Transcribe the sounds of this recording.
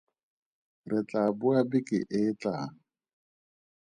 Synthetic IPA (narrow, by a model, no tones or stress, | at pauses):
rɪt͡ɬʼabʊabɪkʼɪ̰ʔɪt͡ɬʼa̰